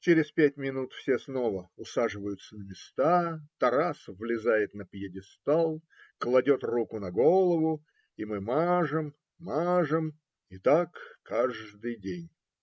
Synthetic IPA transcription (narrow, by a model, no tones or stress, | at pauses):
t͡ɕeɾʲɪspʲæt̚ʲmʲɪnut̪fsʲesnovəʊsaʐɨvəjʊt̪sənəmʲɪst̪at̪ɐɾasvlʲɪzajɪt̪nəpjɪdʲɪst̪alˠ | klˠɐdʲo̞t̪rukʊnɐɡolˠəvʊ | imɨmaʐɨm | maʐɨm | ɪt̪akːʰaʐd̪ɨjdʲenʲ